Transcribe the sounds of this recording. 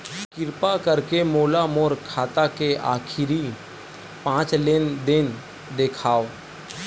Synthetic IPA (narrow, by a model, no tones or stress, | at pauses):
kɪɾpakəɾkemoːlamoːɾkʰaːt̪akea̰ːkʰɪɾi | pãːt͡ʃlend̪en | d̪eːkʰaːo